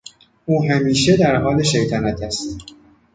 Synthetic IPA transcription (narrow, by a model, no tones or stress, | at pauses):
ʔuːɦæmiːʃed̪æɾhɒːle̞ʃejt̪ʰænæt̪ʰæst̪